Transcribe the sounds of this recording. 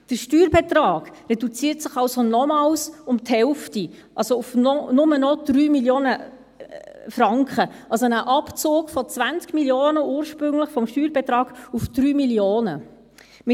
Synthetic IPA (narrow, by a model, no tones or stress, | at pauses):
d̥əʃtyːɾbɛtrɑːɡrɛdut͡siːɾtsɪχɑlsonɔmɑːlsʊmthɛlfti | ʔɑlsoʊfnɔnʊmənɔd̥ryːmiljoːnə | frɑŋkχəʔɑlsonəʔɑpt͡sʊːkfɔt͡svænt͡skmiljoːnəuːɾʃpɾʏŋlɪχfɔmʃtyːɾbɛtɾɑːɡ̥ufd̥ryːmiljoːnə | mɪ